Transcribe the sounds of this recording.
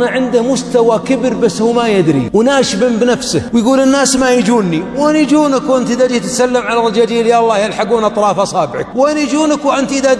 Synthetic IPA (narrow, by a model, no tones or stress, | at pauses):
naʕɪnd̪ɪhmʊst̪awakɪbɾbasːhuːmajɪd̪ɾḭwnaːʃbɪmbnafsɪhwjɡuːlɪnːaːsmajɪd͡ʒuːnːiwʔanid͡ʒuːnakwʔɪnt̪ʔðad͡ʒiːt̪ɪt̪salːɪmʕalarˤːd͡ʒaːd͡ʒiːljalˤːɑːhjalħaɡuːnʔɑt̪ˤɾˤɑːfʔɑsˤɑːbɪʕa̰k̚wanid͡ʒuːnakwʔɪnt̪ʔɪða